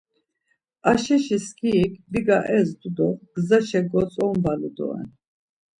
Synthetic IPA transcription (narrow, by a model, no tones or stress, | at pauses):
aʃɛʃiskʰiːkʰbiɡaʔɛzd̪ud̪ɔɡzaʃɛɡɔt͡sʼɔmbalud̪ɔ̰ɛ̰n